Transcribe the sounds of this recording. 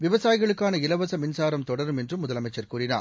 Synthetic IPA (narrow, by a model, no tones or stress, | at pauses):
ʋɪʋɐsaːjɪɣɐɭɯkːaːnɐɪlɐʋɐsɐmɪnsaːɾɐmt̪ɔɽɐɾɯmɛndrɯmːʊðɐlɐmɐɪt͡ʃːɐɾkuːɾɪna̰ː